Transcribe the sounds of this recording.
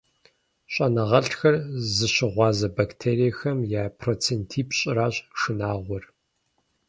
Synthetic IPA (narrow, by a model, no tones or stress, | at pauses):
ɕʼɐnɐʁɐɬxɐrzɨɕɪʁʷɑːzɐbaktʰeːɾijɛxɐmjaːpʰroːt͡sʰeːntʰiːpɕʼɪraːɕʼʂɨnaːʁʷɔr